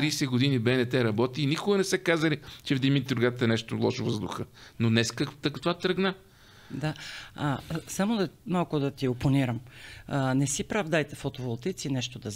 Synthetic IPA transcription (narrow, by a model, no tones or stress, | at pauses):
ɾiːsɛɡod̪inibɛnɛt̪ɛɾɐbɔt̪iːnikʊɡənɛsɛkazɐlit͡ʃɛvd̪imit̪d̪ɾʊɡat̪əɛnɛʃt̪olˠɔ̰ʃovəzd̪ʊxənonɛskakt̪ɐkt̪ovat̪ɾəɡna | d̪aasamod̪ɐmalˠkʊd̪ɐt̪ioponiɾəm | nɛsipɾavd̪ajt̪ɛfot̪ovolˠt̪it̪sinɛʃt̪od̪ɐz